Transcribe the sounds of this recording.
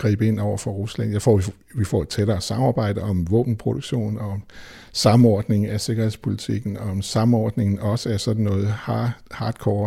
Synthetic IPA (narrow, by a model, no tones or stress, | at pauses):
ɡ̥ʁḭːb̥əe̝n̰ɒʊɐfɒ̽ʁuslæn̰jɑ̈ɪfɒ̰ | ʋifɒ̰ːe̝d̥̚t͡sʰeɾɐːsɑ̈mɑ̈ːb̥ɑ̈ɪ̰d̥əɒ̽mʋɔ̰ːb̥n̩pʰʁo̝d̥oɡ̥ɕo̝̰ːnɒɒ̽m | sɑ̈m̩ɒːd̥ne̝ŋ̩æse̝ɡ̥ɐheð̰ˠspʰo̝lit͡sʰiɡ̥n̩ɒ̽ɒ̽msɑ̈m̩ɒ̰ːd̥ne̝ŋn̩ɒ̽səæɐsɒ̽d̥n̩ːɔ̽ːð̞̩ˠhɑ̈ːd̥kʰɒː